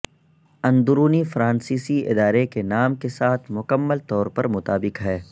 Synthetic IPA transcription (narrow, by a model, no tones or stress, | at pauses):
ɐ̃nd̪ʊɾuːnifɾãːnsiːsiɪ̰d̪aːɾekenaːmkesaːt̪ʰmʊkəmːəlt̪ɔːɾpɐɾmʊt̪aːbɪkɦɛː